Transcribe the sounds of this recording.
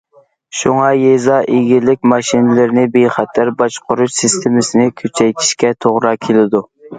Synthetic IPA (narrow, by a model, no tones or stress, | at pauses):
ʃuŋɑjezɑʔeɡʲilɪk̚ʲmɑʃinɪlɪɾnɪbeχɛt̪ʰæɾbɑʃqʰʊɾuʃsɪst̪ʰemɪsɪnɪkʲʰyt͡ʃʰɛjt̪ʰi̥ʃkʲɛt̪ʰoʁɾɑkʲʰelɪd̪u